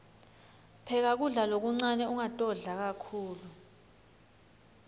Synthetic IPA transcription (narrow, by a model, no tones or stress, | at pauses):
pʰɛk̬ak̬uɮalok̬uŋ͡ǀanɛuŋatʼɔɮak̬akʰuːlu